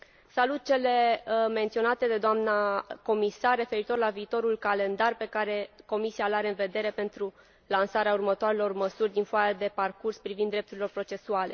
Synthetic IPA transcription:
salut̪̚t͡ʃe̞le̞me̞nt̪sio̞nat̪ed̪e̞d̪oamnako̞misarːe̞fe̞ɾit̪o̞rlaviːt̪o̞ɾulkale̞nd̪arpe̞kaɾe̞ko̞misialaɾeɨnve̞d̪e̞ɾe̞pe̞nt̪ɾu | lansaɾeaurmət̪oaɾelo̞rməsurʲd̪infoajad̪e̞parkurspɾivind̪ːɾe̞p̚t̪uɾilo̞rpɾo̞t͡ʃe̞suale̞̰

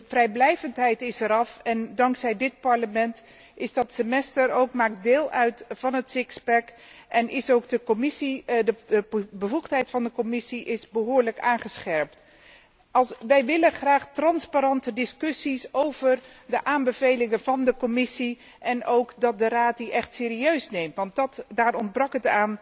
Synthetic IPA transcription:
frɛjblɛjvəntɦɛjtɪsɛɾɑfɛndɑŋksɛjdɪt̚pɑɹləmɛnt | ɪzdɑtsəmɛstəɾowkmaːk̚dɪːlˠœɥtvɑnɦətsɪkspɛk | ʔɛnɪsowkdəmɪsidəbəvuχtɦɛjtfɑndəkomɪsiʔɪzbəɦoːɹləkaːnχəsχɛɹpt | ɑʋɛjʋɪləχraːχtrɑnspaɾɑntədɪskʏsisowvər | dəʔaːmbəvejlɪŋəv̥ɑndəkɔmɪsi | ʔɛnowkdɑt̚dəraːt̚diʔɛχtsɪːɾiøɥsnejmtʋɑntdɑtdaːrɔnd̚brɑkɦətaːn

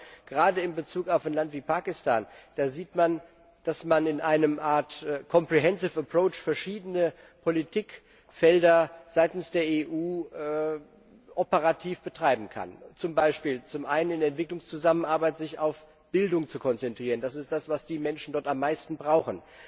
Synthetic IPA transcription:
ɡ̥əʁaːdəɪmbət͡suːkaʊfaɪnlantv̥iːpʰaːkɪstʰa̰ːnd̥aːziːtman | d̥asmanɪnʔaɪnəmʔaːɐtkʰɔmpʁ̥iɦɛnsɪfəpʁ̥oʊt͡ʃfɛɐʃiːdənə | pʰolitʰiːk | fɛldɐz̥aɪtn̩sd̥eːɐeːʔuːʔ | ʔɔpəʁatʰiːfb̥ətʁ̥aɪbm̩kʰa̰nt͡sʊmbaɪʃpiːlt͡sʊmʔa̰ɪnənɪndɛntv̥ɪklʊŋst͡suzamənʔaɐbaɪtz̥ɪçaʊf | b̥ɪldʊŋt͡sukʰɔnt͡sɛntʁ̥iːʁənd̥asɪstd̥asv̥asd̥iːmɛnʃn̩dɔɐtamːaɪstn̩bʁaʊxn̩

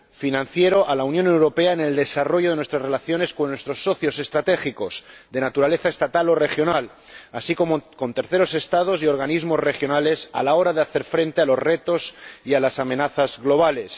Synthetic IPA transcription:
finãnθje̞ɾo̞ʔalaunjone̞wɾo̞pe̞aene̞ld̪e̞saro̞ʝo̞ð̞e̞nwe̞st̪ɾazre̞laθjo̞ne̞skonːwe̞st̪ɾo̞sːo̞θjo̞se̞st̪ɾat̪e̞xiko̞sd̪e̞nat̪uɾale̞θae̞st̪at̪alo̞re̞xjo̞nal | asiko̞moko̞nt̪e̞ɾθe̞ɾo̞se̞st̪að̞o̞sio̞ɾɣ̞anizmo̞zre̞xjo̞nale̞sa̰lao̞ɾaðeaθe̞ɾfɾe̞nt̪e̞alo̞zre̞t̪o̞sialasamenaθazɣlo̞β̞ale̞s

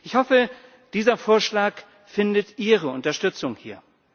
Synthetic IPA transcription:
ʔɪçhɔfə | d̥iːzɐfoːɐʃlaːk | fɪndətʔiːʁəʔʊntɐʃtʏt͡sʊŋhiːɐ

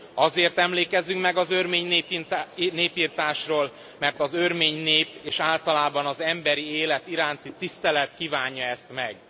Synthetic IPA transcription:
ɒzeːrt̪ɛmleːkɛzyŋkmɛɡɒzørmeːɲneːneːpiːrt̪aːʃroːl | mɛrt̪ɒzørmeːɲneːpeːʃaːlt̪ɒlaːbɒnɒzɛmbɛɾieːlɛt̪iɾaːnt̪it̪ist̪ɛlɛt̪kiːvaːɲːɒɛst̪mɛɡ

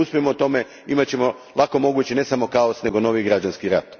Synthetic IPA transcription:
uspimot̪o̞me̞ | imat͡ɕe̞mo̞ | lˠako̞mo̞ɡut͡ɕene̞samo̞kaosne̞ɡo̞no̞ʋiɡɾad͡ʑanskiɾat̪

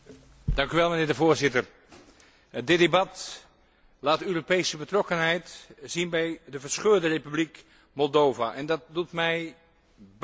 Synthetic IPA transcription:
d̥ɑŋkyʋɛlˠmənɪːɹdəvoːɹzɪtər | dɪdebɑt | laːtøːropejsəbətrɔkənɦɛjtz̥inbɛjdəvəɹsχøːɹdərejpyblik | mɔlˠdowvaʔɛndɑt̚dutmɛj | b

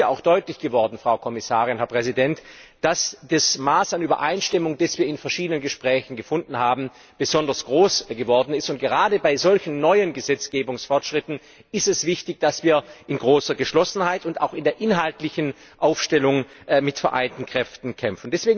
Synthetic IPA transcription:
jaaʊxd̥ɔʏtlɪçɡ̥əvɔɐdn̩fʁ̥aʊkʰɔmɪsaːʁɪnɦɛɐpʁ̥ɛzidɛntd̥asd̥asmaːsanyːbɐ̰ʔa̰ɪnʃtɪmʊŋdasv̥iːɐɪnfɛɐʃiːdənənɡəʃpʁ̥ɛːçn̩ɡəfʊndn̩haːbm̩ | b̥əzɔndɐsɡ̥ʁoːsɡ̥əvɔɐdn̩ɪstʊnt̚ɡ̥əʁaːdəbaɪzɔlçn̩ːɔʏənɡəzɛt͡sɡ̥eːbʊŋsfɔɐtʃʁ̥ɪtn̩ | ɪstɛsv̥ɪçtɪçd̥asv̥iːɐʔɪnɡʁoːsɐɡəʃlɔsn̩haɪtʊntaʊxɪndeːɐʔɪnɦaltlɪçn̩ | ʔaʊfʃtɛlʊŋ | mɪtfɛɐʔa̰ɪntn̩kʁ̥ɛftn̩kʰɛmfn̩dɛsv̥eːɡ

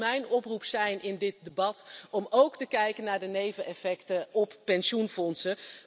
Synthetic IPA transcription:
mɛjnɔprupsɛjnʔɪndɪt̚dəbɑtɔmowktəkɛjkənːaːɹdənejvəɛfɛktəɔppɛnʃunfɔnsə

